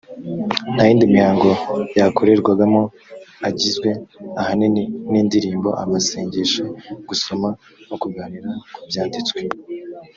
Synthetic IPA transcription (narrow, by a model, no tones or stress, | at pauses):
n̥hajiːndimihaːŋɡo̞jakʰo̞ɾe̞ɾɡwaɡamŋo̞ | aɟizɡwe̞ahaniniːndiɾiːmbo̞̰ʔa̰maseːɲɟeʃeɡ̥uso̞ma | nokuɡaːniɾakubjaːndit͡swe